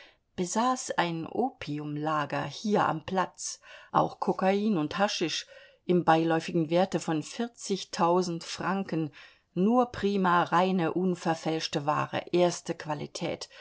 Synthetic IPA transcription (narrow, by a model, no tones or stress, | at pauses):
b̥əzaːsaɪnʔoːpʰiʊmlaːɡɐ̰hiːɐʔa̰mpl̥at͡sʔa̰ʊxkʰɔkaiːnʊnthaʃɪʃ | ʔɪmbaɪlɔʏfɪɡŋ̩veːɐtəfɔnfɪɐt͡sɪçtʰaʊzn̩tfʁ̥aŋkənː | uːɐpʁ̥iːmaʁaɪnəʔʊnfɛɐfɛlʃtəva̰ːʁə̰ʔeːɐstəkv̥alḭtʰɛ̰ːt